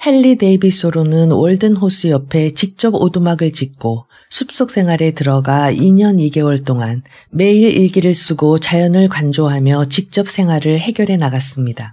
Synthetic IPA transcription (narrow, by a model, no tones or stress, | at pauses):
he̞ɭːide̞bisʰoɾonɯnwʌɭdɯnɦos͈ʰɯjʌpʰe̞t͡ɕik̚t͡ɕ͈ʌbodumaɡɯɭt͡ɕik̚k͈o | sʰup̚s͈ok̚s͈ʰe̞ŋɦwaɾe̞tɯɾʌɡaiɲʌniɡe̞wʌɭt͈oŋan | me̞iɾiɭɡiɾɯɭs͈uɡot͡ɕajʌnɯɭkwand͡ʑoɦamjʌt͡ɕik̚t͡ɕ͈ʌp̚s͈ʰe̞ŋɦwaɾɯɭhe̞ɡjʌɾɦe̞naɡas͈ɯmɲida